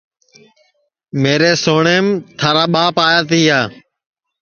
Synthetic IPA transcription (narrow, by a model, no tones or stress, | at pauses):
meːɾeːsoːɳeːmt̪ʰaːɾaːɓaːpaːjaːt̪iːɦaː